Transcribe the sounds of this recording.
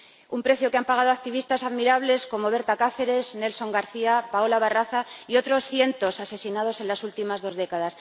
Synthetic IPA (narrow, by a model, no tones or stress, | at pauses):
umpɾe̞θjokeampaɣ̞að̞o̞ak̚t̪iβist̪asaðmiɾaβle̞sko̞mo̞βe̞ɾt̪akaθe̞ɾe̞zne̞lso̞ŋɡaɾθiapaolaβaraθaio̞t̪ɾo̞sθje̞nt̪o̞sase̞sinað̞o̞se̞nlasult̪imazðo̞zðe̞kaðas